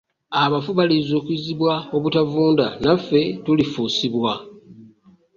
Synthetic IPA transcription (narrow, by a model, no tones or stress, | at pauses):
aβafuβalizo̞ːkuiziβwao̞βutavuːndanafːe̞tulifuːsiβwa